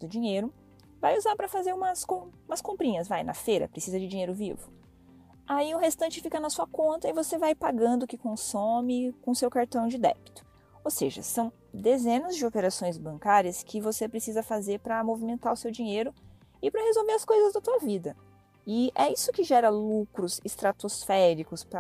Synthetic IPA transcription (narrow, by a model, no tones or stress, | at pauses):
d̪̥ʊd͡ʒĩɲejɾʊ | vajuzaɾpɾɐfazeɾũmɐskõũmɐskõmpɾĩɲɐsvajnɐ̰fejɾɐ̰pɾesizɐd͡ʒɪd͡ʒĩɲejɾʊvḭvʊ | aiʊɦest̪ɐ̃nt͡ʃɪfikɐnɐsuɐkõnt̪ɐɪvosevajpaɡɐ̃nd̪ʊkɪkõsomɪkõʊsewkaɾt̪ɐ̃w̃d͡ʒɪd̪ɛ̰bi̥t̪ʊ̥ | owseʒɐ̰sɐ̃w̃ | d̪ezẽnɐzd͡ʒɪopeɾasõj̃zbɐ̃ŋkaɾiɐskʰɪvosepɾesizɐfazeɾpɾɐmovimẽnt̪aɾʊsewd͡ʒĩɲejɾʊ | ɪpɾɐhezowveɾɐskojzɐzd̪ɐt̪uɐvid̪ɐ | ɪʔɛisʊkɪʒɛɾɐlukɾʊzɪst̪ɾat̪osfɛɾikʊspɾɐ